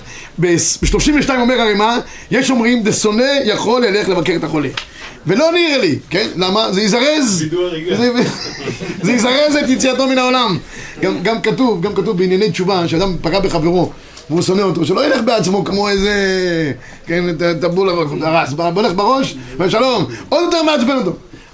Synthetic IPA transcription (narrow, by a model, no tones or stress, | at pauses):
besbiʃtloʃimveʃtaimomeʁaʁejma | jeʃo̞mʁimzeso̞ne̞jaχo̞lhele̞χlevake̞et̪aχo̞le | velo̞niʁelikenlamazeizaʁezz | zeizaʁezet̪jet͡siat̪o̞minaolam | ɡamɡamkat̪uvɡamkat̪uvbeinjanejtt͡ʃuvaʃead̪ampaɡabeχave̞ʁo | veuso̞neot̪o̞ʃelojele̞χbeat͡smo̞kmo̞eze | kenet̪at̪abulaaʁasbaboleχbeʁo̞ʃveʃalo̞mod̪jot̪eʁmeat͡sbenot̪̬o̞